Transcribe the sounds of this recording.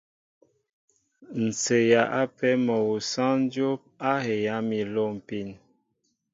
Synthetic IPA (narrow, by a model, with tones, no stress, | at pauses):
n̩˨t͡se˨ja˨ʔa˦pɛ˦mɔ˨wu˨sã˦n˦d͡ʒo˦p̚a˦he˨ja˨˦mi˨lo˦˨m̩˨pi˦˨n